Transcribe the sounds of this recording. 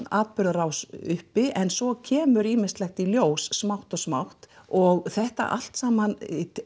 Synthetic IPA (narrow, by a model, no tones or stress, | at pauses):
aːt̪̚pʏɾðaɾawsʏhpɪʔɛnsɔcʰɛːmʏɾiːmɪnst̪lɛxt̪iljoːwsːmawht̪ɔɣsmawht̪ɔɣθɛht̪a̰ʔa̰l̥t̪saːman